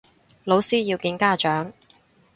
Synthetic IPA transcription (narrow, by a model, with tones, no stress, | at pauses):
lo˨˧wsiː˥jiː˧wkiː˧nkaː˥t͡ʃœː˨˥ŋ